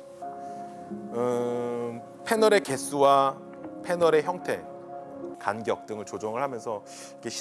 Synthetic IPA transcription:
ɯ | pʰe̞nʌɾe̞ke̞s͈ʰuwa | pʰe̞nʌɾe̞çjʌŋtʰe̞ | kanɡjʌk̚t͈ɯŋɯɭt͡ɕod͡ʑʌŋɯɭhamjʌnsʰʌ | ikʰeɕʰ

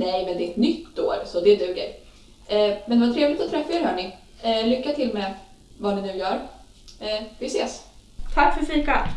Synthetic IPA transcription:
nɛjmɛnd̪ɛɛt̪nʏt̪ːo̰ːɾsɔd̪ɛd̪ʉ̟ːɡə̰ɾ | ɛmɛnd̪ɛvat̪ʰɾeːvlɪt̪ɔt̪ʰɾɛfːaeːɾhœːɳɪ | lʏkːat̪ʰɪlmɛ | vanɪnʉ̟ːjœːɾ | ɛvɪseːst̪ʰakːfœɾfiːka

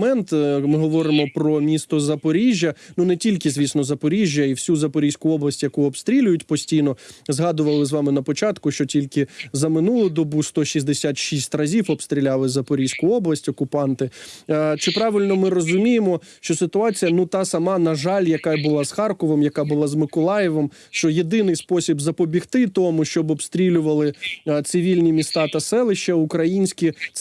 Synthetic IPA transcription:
mɛnt̪mɪɦɔʋɔɾɪmɔpɾɔmʲist̪ɔzɐpɔɾʲiʒʲjɐnunɛtʲilʲkɪzʲʋʲisnɔzɐpɔɾʲiʒʲjɐiwsʲuzɐpɔɾʲijsʲkʊɔblˠɐsʲtʲjɐkuɔpst̪ɾʲilʲʊjʊtʲpɔsʲtʲijnɔzɦɑd̪ʊʋɐlˠɪzʋɑmɪnɐpɔt͡ʃɑt̪kʊʃt͡ʃɔtʲilʲkɪzɐmɪnulˠʊd̪ɔbust̪ɔʃizd̪esʲat̪ʃisʲtʲrɐzʲiwɔbst̪ɾʲilʲɑlˠɪzɐpɔɾʲijsʲkʊɔblˠɐsʲtʲɔkʊpɑnt̪ɪt͡ʃɪpɾɑʋɪlʲnɔmɪrɔzʊmʲijemɔ | ʃt͡ʃɔsɪt̪ʊɑt͡sʲijɐnut̪ɑsɐmɑnɐʒɑlʲjɐkabʊlˠɑz̥xɑrkɔʋɔmjɐkɑbʊlˠɑzmɪkɔlˠɑjɛʋɔm | ʃt͡ʃɔjed̪ɪnɪjspɔsʲibzɐpɔbʲixt̪ɪt̪ɔmʊʃt͡ʃɔbɔpst̪ɾʲilʲʊʋɐlˠɪt̪sɪʋʲilʲnʲimʲist̪ɑt̪ɐsɛlˠɪʃt͡ʃɐʊkɾɐjinʲsʲkʲi

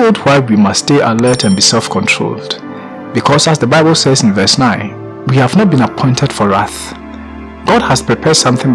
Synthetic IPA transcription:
olˠd̚waɪwimʌstːteʔəlɜtãnbisɛlˠfkʰɔ̃ntʰɹ̥o̰lˠd̥ | b̥ikʰɔzazðəbaɪbəlˠsɛzɪ̃nvɜ˞snãɪ̃n | wihævnɔt̚bĩnapʰɔ̃ɪ̃ntʰɛd̥fɔɹaθ | ɡ̥ɔdhəzpʰɹ̥ipʰɛd̥sʌ̃mθɪ̃ŋ

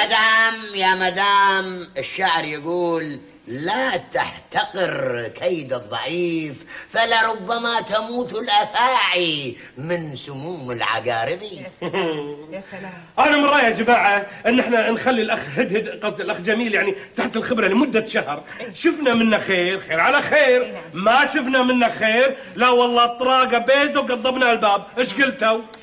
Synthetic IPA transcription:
ad̪aːmjamad̪aːmɪʃːaʕɾˤjɪɡuːlː | at̪a̰ħt̪aqɪɾkʰajd̪ɨðˤːɑ̰ʕiːffalaɾˤʊbːamat̪amuːt̪ʊlʔaθaːʕi | mɪnsʊmuːmɪlʕa̰ɡaːɾɪd̪ˤi | ʔanamɾːˤɑːjad͡ʒamaːʕaʔɪnːʔɪħnanxalːilʔaxɦɪd̪hɪd̪qɑsˤd̪ɪlʔaxd͡ʒamiːljaʕnit̪aħt̪ɪlxɪbɾɑlɪmʊd̪ːaʃahɾ | ʃɪfnamɪnːaxeːɾxeːɾʕalaxeːɾmaʃɪfnamɪnːaxeːɾ | lawːɑlˤːɑːt̪ˤːɑɾˤɑːɡabeːzawɡɑðˤːɑbnalbaːb̚ʔɪʃɡɪlt̪aw

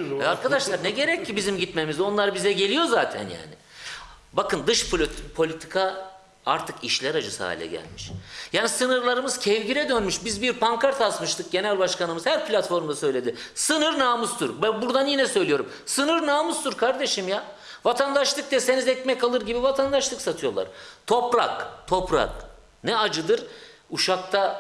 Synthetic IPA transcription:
ɛaɾkʰad̪aʃlˠaɾnɛɟe̞ɾɛcːibizimɟit̪me̞mizo̞nlˠaɾbizɛɟe̞lʲijo̞zaːt̪ʰæ̰nja̰ːnɪ̰ | bakɯnd̪ɯʃpʰpʰo̞lʲit̪ʰi̥kʰa | a̰ɾt̪ʰɯkiʃlʲæɾad͡ʒɯsa̰ːḭlʲɛ̰ɟæ̰lʲmiʃjaːnisɯnɯɾlˠaɾɯmɯz̥cʰɛvɟiɾɛd̪ønmyʃbizbiɾpʰaŋkʰaɾt̪asmɯʃt̪ʰɯk̚ɟe̞nælʲbaʃkanɯmɯzhæɾpʰlʲat̪fo̞ɾmd̪asø̞jlʲe̞d̪ɪsɯnɯɾnaːmɯst̪ʰuɾbbuɾd̪anjinɛsø̞jlʲijo̞ɾum | sɯnɯɾnaːmɯst̪uɾkʰaɾd̪e̞ʃimja | vat̪ʰand̪aʃlˠɯk̚t̪ɛse̞nizɛcmɛcalˠɯɾɟibivat̪ʰand̪aʃlˠɯksat̪ʰɯjo̞lˠa̰ɾt̪ʰo̞pɾakt̪ʰo̞pɾa̰k | nɛad͡ʒɯd̪ɯɾuʃak̚t̪ʰa

